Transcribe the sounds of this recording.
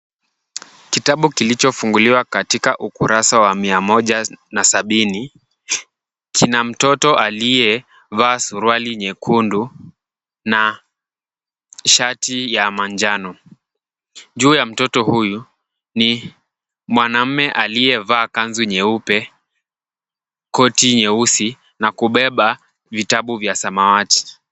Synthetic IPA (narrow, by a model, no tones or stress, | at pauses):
kitaɓukilit͡ʃɔfuŋɡuliwakatikaʔukuɾasawamiamɔʄanasaɓini | kʰinam̩tɔtɔʔalijɛ | vaːsuɾwaliɲɛkʰundu | na | ʃatijamaɲd͡ʒanɔ | ʄuːjam̩tɔtɔhuju | ni | mwanam̩mɛʔalijɛvaːkanzuɲɛupɛ | kɔtiɲɛusi | nakuɓɛɓa | vitaɓuvjasamawati̥